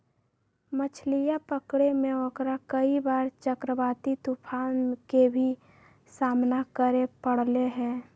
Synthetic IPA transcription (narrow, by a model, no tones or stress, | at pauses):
mət͡ʃʰlijapəkɽemẽokɾakəibaːɾt͡ʃəkɾəbaːt̪it̪upʰaːnkebʱi | saːmnakəɾepəɽ̤leɦɛ̃ː